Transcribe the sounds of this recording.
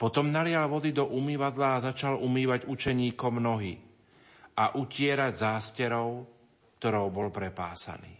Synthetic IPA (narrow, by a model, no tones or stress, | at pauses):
pɔt̪ɔmnalɪalʋɔd̪id̪ɔʔumiːʋad̪laːzat͡ʃalumiːʋaɟut͡ʃɛɲiːkɔmnɔɦiː | aʔucɪɛɾaɟzaːscɛɾɔʊ | kt̪ɔɾɔʊbɔlpɾɛpa̰ːsa̰niː